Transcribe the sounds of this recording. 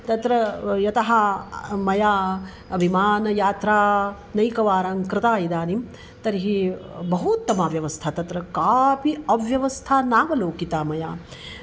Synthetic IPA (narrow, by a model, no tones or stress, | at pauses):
t̪ɐt̪ɾɐjɐt̪ɐɦɐmɐjaː | ɐbʱimaːnɐjaːt̪ɾaː | nɐjkɐʋaːɾaːŋkɾɪt̪aːjid̪aːnim | t̪ɐɾiɦibɐɦut̪ːɐmaːʋjɐʋɐst̪ʰat̪ɐt̪ɾɐkaːpiɐʋjɐʋɐst̪ʰaːnaːʋɐloːkit̪aːmɐjaː